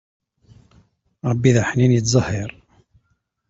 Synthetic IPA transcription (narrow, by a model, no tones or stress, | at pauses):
ɾəbːiðaħninjət̪zˤɑhːəɾˤ